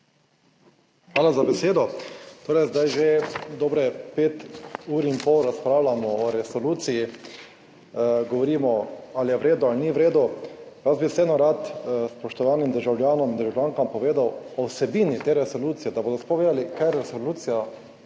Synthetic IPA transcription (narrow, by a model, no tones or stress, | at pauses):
xʋaːlazabɛseːd̪ɔt̪oːɾɛjzd̪ajʒed̪ɔːbɾɛpeːt̪uːɾimpɔwɾaspɾaːwlamɔːɾɛsɔluːt̪siji | ɡɔʋɔɾiːmɔalijɛʋɾeːd̪ɔalniʋɾeːd̪ɔjazbisɛɛnɔɾat̪spɔʃt̪ɔʋaːnimd̪əɾʒawljaːnɔmind̪əɾʒawlʲjaːŋkampɔʋeːd̪awɔwsɛbiːnit̪eːɾɛsɔluːt̪sijɛd̪aboːd̪ɔspɔʋeːd̪alikajɾɛsɔluːt̪sija